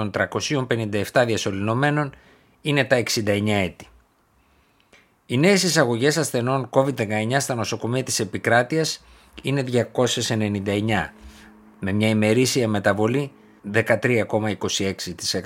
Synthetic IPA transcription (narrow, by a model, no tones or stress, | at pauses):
o̞nt̪ɾɐko̞sio̞mpe̞nind̪ɐeft̪ɐðiɐso̞lino̞me̞no̞n | ine̞t̪ɐe̞ksind̪ɐe̞ɲɐe̞t̪i̥ | ine̞ːsisɐɣo̞ʝe̞sɐsθe̞no̞ŋko̞vid̪ðe̞kɐe̞ɲɐst̪ɐno̞so̞ko̞miɐt̪i̥se̞pikɾɐt̪iɐs | ine̞ðʝɐko̞se̞se̞ne̞nind̪ɐe̞ɲɐ | me̞mɲɐime̞ɾisiɐme̞t̪ɐvo̞li | ðe̞kɐt̪ɾiɐko̞mɐiko̞sie̞ksit̪i̥sek